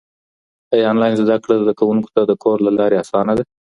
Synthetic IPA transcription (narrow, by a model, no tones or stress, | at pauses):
ajɑnlɑjnzd̪akɽazd̪akawuŋko̥t̪ad̪əkʰoɾlalɑɾeasɑnad̪a